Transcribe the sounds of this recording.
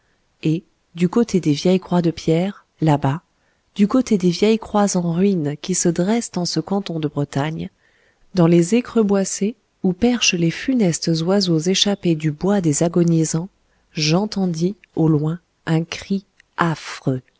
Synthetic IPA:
e | d̪ykot̪ʰed̪evjɛjkχwad̪əpjɛːʁ | laba | d̪̥ykot̪ed̪evjɛjkχwazɑ̃ʁɥinkʲisəd̪ʁɛsd̪ɑ̃səkɑ̃t̪ɔ̃d̪əbʁət̪aɲ | d̪ɑ̃lezekχøbwase | upɛʁʃlefynɛst̪zwazozeʃaped̪ybwad̪ezaɡɔnizɑ̃ | ʒɑ̃t̪ɑ̃d̪i | olwɛ̃ | ɛ̃kχi | afχø

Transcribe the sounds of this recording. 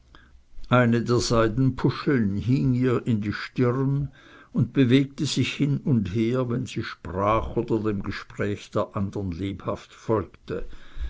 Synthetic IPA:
ʔaɪnədeːɐz̥aɪdn̩pʰʊʃl̩nɦiːŋiːɐʔɪndiːʃtɪʁn | ʊnd̚b̥əveːk̚təz̥ɪçhɪnʊndheːɐvɛnz̥iːʃpʁaːχoːdɐdemɡəʃpʁ̥ɛːçd̥eːɐʔandɐnleːphaftfɔlktə

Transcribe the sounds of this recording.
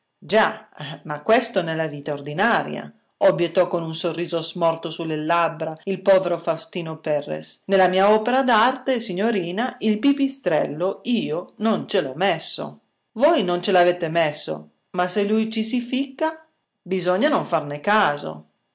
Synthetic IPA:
d͡ʒamakwɛst̪onelaviːt̪aord̪inaːɾj̰a̰ | ɔbːjet̪ːɔkːonunsorːiːzozmɔrt̪osulːelabɾailpɔːveɾofast̪iːnopɛrːḛsnelamiːaɔːpeɾad̪art̪esiɲːoɾiːnailpipist̪ɾɛ̰lːoiːonont͡ʃelɔmɛsːo̰ | vɔjnont͡ʃelavɛt̪emɛsːo̰ | maselujt͡ʃisifikːa | bizɔɲːanoɱfarnekaːzo̰

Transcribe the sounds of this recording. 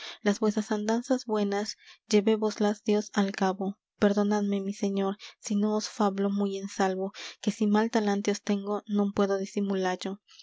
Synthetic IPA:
lazbwe̞sɾasand̪ansazbwe̞nasd͡ʒe̞βe̞βoslazd̪jo̞salkaβo | pe̞ɾðo̞naðme̞mise̞ɲo̞ɾsino̞ːsfaβlo̞muje̞nsalβo̞ke̞simalt̪alant̪eost̪e̞ŋɡo̞nõmpwe̞ðo̞ðisimulaɾʝo̞

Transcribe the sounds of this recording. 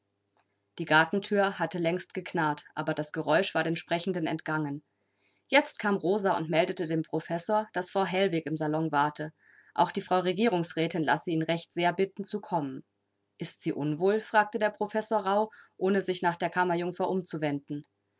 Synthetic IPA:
d̥iːɡaɐtn̩tʰyːɐhatəlɛŋstɡ̥əkʰnaltʔaːbɐdasɡ̥əʁɔʏʃv̥aːɐɾeːnʃpʁ̥ɛçn̩dənɛ̰ntɡ̥aŋən | jɛt͡stkʰaːmʁoːzaʊ̰ntmɛldətədeːmpʁ̥ofɛsoːɐd̥asfʁ̥aʊɦɛlvɪkɪmzalɔŋvaɐtʰə | ʔa̰ʊxd̥iːfʁ̥aʊʁeɡiːʁʊŋsʁ̥ɛːtɪnla̰səiːnʁɛçtz̥eːɐbɪtn̩t͡sukʰɔmən | ʔɪstz̥iːʔʊnvoːlfʁ̥aːk̚tədeːɐpʁ̥ofɛsoːɐʁaʊʔoːnəzɪçnaːχd̥eːɐkʰamɐjʊŋfɐʔʊmt͡suvɛndn̩

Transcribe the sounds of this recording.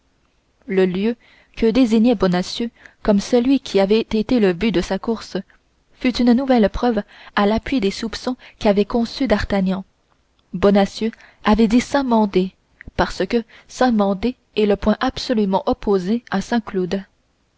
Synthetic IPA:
ləljø | kəd̪eziɲɛbɔnasjøkɔmsəlɥikʲʰiavɛt̪et̪eləbyd̪əsakuʁs | fyt̪ynnuvɛlpχœvalapɥid̪esupsɔ̃kʲiavɛkɔ̃syd̪aʁt̪aɲɑ̃ | bɔnasjø | avɛd̪isɛ̃mɑ̃d̪e | paʁsəkʲə | sɛ̃mɑ̃d̪e | ɛləpwɛ̃ʔapsɔlymɑ̃ʔɔpozeasɛ̃klud̪

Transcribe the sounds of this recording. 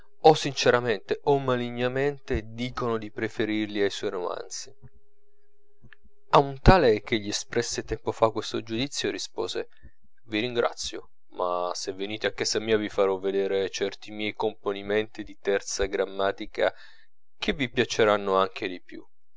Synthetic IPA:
ɔsːint͡ʃeɾament̪eʔɔmːaliɲːament̪ed̪iːkonod̪ipɾefeɾirliajsɔjɾoma̰nt̪si | aunt̪aːlek̟eʎːiespɾɛsːet̪ɛmpofakːwest̪od͡ʒud̪it̪sːjoɾispo̰ːze | viɾiŋɡɾa̰t̪sːjo̰ | ma̰sevːeniːt̪eakːɛsamiːavifaɾɔvːed̪eːɾet͡ʃɛrt̪imjɛjkomponiment̪id̪it̪ɛrt̪saɡɾamːaːt̪ika̰ | k̟ʰevipjat͡ʃeɾanːoaŋk̟ʰed̪ipjṵ

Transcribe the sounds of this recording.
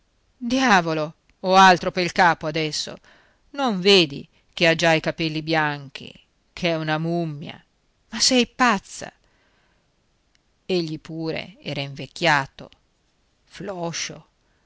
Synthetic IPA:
d̪jaːvolo | oalt̪ɾopeilkaːpoad̪ɛsːo̰ | noɱveːd̪ḭ | kead͡ʒaikapɛlːibjaŋk̟ḭ | kʰeɛunamumːja̰ | masɛjpat̪sːa̰ | eʎːipuːɾḛɛ̰ːɾaiɱvekːjaːt̪o̰ | flɔʃo̰

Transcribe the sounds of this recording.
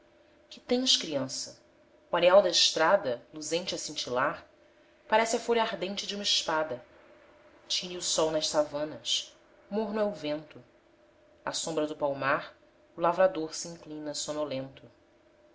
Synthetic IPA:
kɪ̥t̪ẽj̃ʃkɾiɐ̃sɐ | uaɾeawd̪ɐɪʃt̪ɾad̪ɐluzẽnt͡ʃɪasĩnt͡ʃilaɾ | paɾɛsɪɐfoʎɐaɾd̪ẽnt͡ʃɪd͡ʒũmɐɪʃpad̪ɐ | t͡ʃĩniusɔwnɐʃsavɐ̃nɐs | moɾnʊɛʊvẽnt̪ʊ | a̰sõmbɾɐd̪ʊpawmaɾ | ʊlavɾad̪oɾsiĩŋklĩnɐsonolẽnt̪ʊ

